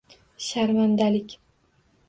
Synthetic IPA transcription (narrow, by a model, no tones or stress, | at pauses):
ʃaɾmand̪alɪkʲ